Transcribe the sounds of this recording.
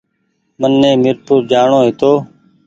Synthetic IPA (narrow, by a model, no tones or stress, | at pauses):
mənːẽːmɪɾpʰuːɾd͡ʒaːɳoːɦɪt̪oː